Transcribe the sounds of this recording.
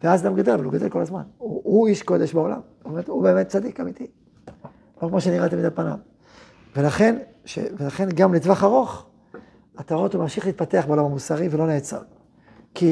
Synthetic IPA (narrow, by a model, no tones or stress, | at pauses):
veazɡamɡad̪e̞lavaluɡadelko̞lazma̰nuuiʃko̞d̪eʃbao̞la̰m | omet̪ube̞ːmet̚t͡sad̪ikamit̪i | lokmoʃeniʁat̪amid̪atpana̰m | velaχe̞n | ʃḛvelaχe̞nɡamletvaχaʁo̞χ | at̪aʁo̞thumamʃiχleit̪̚pateaχbeo̞lamamusaʁivelo̞neːt͡sa̰ʁ | ki